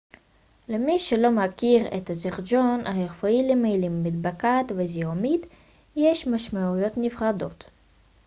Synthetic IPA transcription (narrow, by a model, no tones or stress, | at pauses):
lemiʃelo̞makiʁḛt̪azeʁd͡ʒonaheʁfoilemejlimːid̪bakat̪veziomit̪ | jeʃmaʃmaujo̞t̪nifʁad̪o̞t̪